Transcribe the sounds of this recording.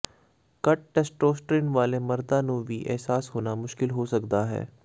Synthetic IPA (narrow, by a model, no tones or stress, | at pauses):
kɐʈ̚ːɛːsʈɾoːsʈɾiːnʋaːlemɐɾd̪anũːbʱiʔɛ̰ɦsaːsɦoːnamʊʃkɪlɦosɐkd̪aɦɛ̰ː